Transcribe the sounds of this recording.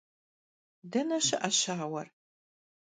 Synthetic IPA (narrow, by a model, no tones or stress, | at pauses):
dɐnɐʃɪʔɐɕaːwɐr